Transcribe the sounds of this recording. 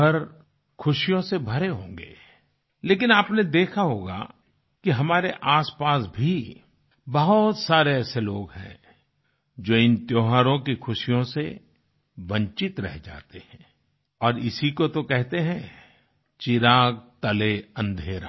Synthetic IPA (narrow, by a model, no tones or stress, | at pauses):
ɐɾ | kʰʊʃijõsebʱɐɾeɦõːŋɡḛː | leːkɪnaːpned̪eːkʰaɦoːɡa̰ | kiɦɐmaːɾeʔaːspaːsbʱi | bɐɦʊt̪saːɾeɛːseloːɡɦɛ̰̃ː | d͡ʒoːɪnt̪joːɦaːɾõkixʰʊʃijõse | bɐ̃ɲt͡ʃɪt̪ɾɛɦd͡ʒa̰ːt̪eɦɛ̃ː | ɔːɾɪ̰sikot̪okɛɦt̪eɦɛ̃ | t͡ʃɪɾaːɡ̚t̪ɐleɐ̃nd̪ʱeːɾa̰ː